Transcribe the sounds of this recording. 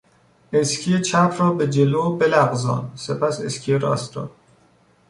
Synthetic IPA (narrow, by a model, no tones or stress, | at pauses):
eskʲʰijet͡ʃʰæpʰɾɒːbed͡ʒeloːbelæɣzɒ̰ːnsepʰæsḛskʰijeɾɒ̰ːst̪ɒ̰ː